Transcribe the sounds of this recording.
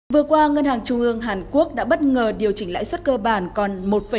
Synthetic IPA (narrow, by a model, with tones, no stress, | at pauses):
vɨ˨˩əkwaː˧ŋə˧nhaː˨˩ŋt͡ɕʊ˧ŋʔɨ˧əŋɦaː˨˩nku˦˥ək̚ɗa̰ː˧˥ɓə˦˥t̚ŋəː˨˩ɗi˨˩əwt͡ɕï˧˩ŋ̟la̰ː˧˥jswə˦˥t̚kəː˧ɓaː˧˩nkɔ˨˩nmo˨˩t̚fə˨˩